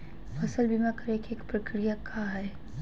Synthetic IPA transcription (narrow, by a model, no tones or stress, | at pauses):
fɐsəlbimakɐɾekieːkpɾɐkɾijakʰaɦɛː